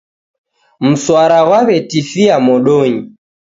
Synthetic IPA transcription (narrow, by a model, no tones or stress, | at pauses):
m̩swaɾaɣwaβɛtifiamɔɗɔɲi